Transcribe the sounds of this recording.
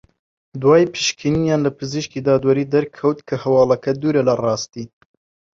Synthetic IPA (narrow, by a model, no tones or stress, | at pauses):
d̪wɑːjpʰɨ̥ʃkʰinijɑːnlɐpʰɨziʃkiːd̪ɑːd̪wɐɾiːd̪ɐɾkʰɐwt̪kʰɐhɐwɑːlɐkɐd̪uːɾɛlɐrɑːst̪iː